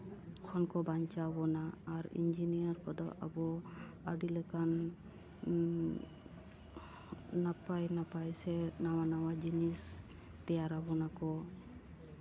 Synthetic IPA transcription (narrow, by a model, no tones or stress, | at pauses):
kʰɔnkɔbaɲt͡ʃabɔnaːɾḭnd͡ʒinijaɾkɔd̪ɔa̰bɔaɖilɛkan | apajnapajsɛnawanawad͡ʒinist̪ɛjaɾabɔnakɔ